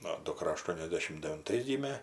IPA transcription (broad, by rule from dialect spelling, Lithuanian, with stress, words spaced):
ˈnʊ dʊˈkrɐ ɐˈʃtuɔnʲɛzʲdʲɛʃʲɪm dʲɛʋʲɪnˈtɐɪs ˈɡʲiːmʲeː